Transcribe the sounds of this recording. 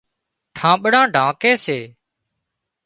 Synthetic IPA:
ʈʰãːɓɽãːɖʱãːkeːseː

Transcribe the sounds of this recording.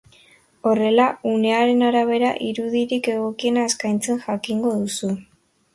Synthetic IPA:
o̞re̞laune̞aɾe̞naɾaβ̞e̞ɾa̰ʔiɾuðiɾike̞ɣo̞kie̞naeskajnt͡se̞nʝakiŋɡo̞ðusu

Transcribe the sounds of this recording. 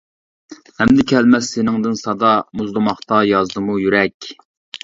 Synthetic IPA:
hɛmd̪ɪkʲʰɛlmɛsːenɪŋd̪ɨnsɑd̪ɑmuzlˠɨmɑχt̪ɑjɑzd̪ɨmujyɾɛkʲ

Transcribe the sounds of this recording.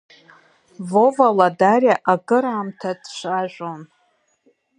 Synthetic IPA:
vovaladarʲjaʔaɡɨɾaːmtʰadʃʷaʒᶣʷon

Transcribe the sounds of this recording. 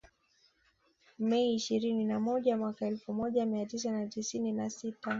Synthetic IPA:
mɛiːʃiɾininamɔʄamwakaɛlfumɔʄamiatis̬anatisininasita

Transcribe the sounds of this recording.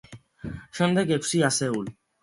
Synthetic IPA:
ʃənd̪ekeksiaseul

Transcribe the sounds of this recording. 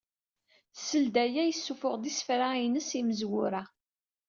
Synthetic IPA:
səld̪æjæjəsːufʊʁd̪isfɾainəsiməzwʊɾa

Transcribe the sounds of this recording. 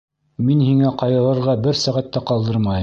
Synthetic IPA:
minhiŋæqɑjɤ̆ɾˠɤ̆ɾʁɑbɘɾsæʁæt̪ːæqɑlˠd̪ɤɾmɑj

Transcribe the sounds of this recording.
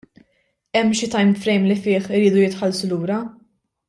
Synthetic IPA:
ɛmːʃɪt̪ɐjmfɾɛjmlɪfɪːħɪɾiːd̪ʊjɪt̪ħɐlsʊluːɾɐ

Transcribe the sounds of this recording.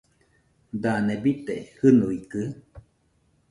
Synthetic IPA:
d̪anebit̪ehɨnuikɨ

